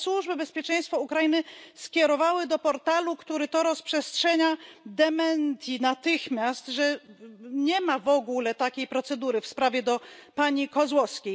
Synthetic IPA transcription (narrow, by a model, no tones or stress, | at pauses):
swuʐbɘbɛspʲjɛt͡ʂɛ̃j̃st̪fɔukɾajinɘskʲɛɾɔvawɘd̪ɔpɔɾt̪alukt̪uɾɛt̪ɔɾɔspʂɛstʂɛɲad̪ɛmɛnt̪ʲinat̪ɘxmʲjast̪ʐɛ | ɲɛmavɔɡulɛt̪akʲejpɾɔt̪sɛd̪uɾɘfspɾavʲjɛd̪ɔpaɲikɔzwɔfskʲej